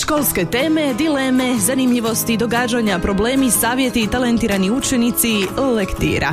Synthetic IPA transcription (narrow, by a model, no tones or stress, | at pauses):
ʃko̞lˠske̞t̪e̞ːme̞d̪ile̞me̞zanimʎiʋo̞st̪id̪o̞ɡaːd͡ʒaɲapɾo̞bleːmisaːʋje̞t̪it̪alent̪iːɾaniut͡ʃe̞nit̪silekt̪ḭːɾʔa̰